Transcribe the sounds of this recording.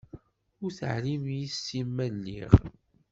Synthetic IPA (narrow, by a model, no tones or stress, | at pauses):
ʊɾθə̰ʕlimjisːimːælːḭʁ